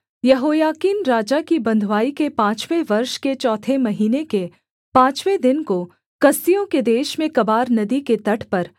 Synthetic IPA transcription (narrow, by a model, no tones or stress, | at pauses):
jɐɦoːjaːkiːnɾaːd͡ʒakibɐ̃nd̪ʱwaːikepãːt͡ʃweʋɐɾʃket͡ʃɔːt̪ʰemɐɦiːneke | pãːt͡ʃwed̪ɪnko | kɐsijõked̪eːʃmẽkɐbaːɾnɐd̪iket̪ɐʈʰpɐɾ